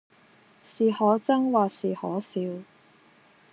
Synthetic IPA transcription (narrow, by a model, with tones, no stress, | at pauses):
siː˨hɔː˨˥t͡sɐ˥ŋwaː˨˩siː˨˩hɔː˨˥siː˨˧w